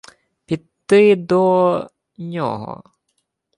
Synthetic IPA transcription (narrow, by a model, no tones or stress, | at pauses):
pʲit̪ːɨjd̪ɔ | ɲɔ̰ɦɔ̰